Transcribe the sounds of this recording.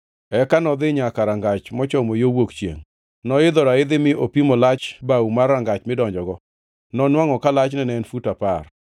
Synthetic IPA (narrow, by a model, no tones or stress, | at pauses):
ɛkanɔd̪ɪɲakaɾaŋɡat͡ʃmɔt͡ʃɔmojowokt͡ʃjḛŋ | nɔɪd̪ɔɾaɪd̪ɪmɪʔopimɔlat͡ʃbaumarːaŋɡat͡ʃmɪdɔɲd͡ʒɔɡɔ | nɔnwaŋɔkalat͡ʃnɛnɛnfutapar